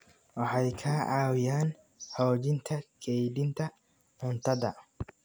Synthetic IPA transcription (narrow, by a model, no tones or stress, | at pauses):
wɔħɐjkʰaːʔaːwjaːn | hoːd͡ʒɪnt̪ɐkʰʼeːjd̪ɪnt̪ɐ | mʊnt̪ɐd̪ɐʔ